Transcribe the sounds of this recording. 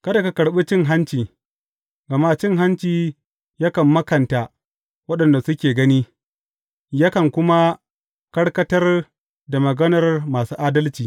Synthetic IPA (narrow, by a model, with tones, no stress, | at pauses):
kɐ˦da˨ka˦kɐ˨ɽɓi˦t͡ʃɪ˦ŋɦa˦nt͡ʃiː˨ | ɡɐ˨ma˦t͡ʃɪ˦ŋɦa˦nt͡ʃiː˨ | ja˦kɐ˨mːɐ˦kɐ˨nta˨ | wɐ˦ɗɐ˨nda˨sʊ˦kʲeː˨ɡɐ˦niː˦ | ja˦kɐ˨ŋkʷʊ˦ma˦ | kɐ˦ɽkɐ˦tɐ˦r | da˨mɐ˨ɡɐ˦nɐ˨rmaː˨suː˦ʔaː˦dɐ˦lt͡ʃiː˨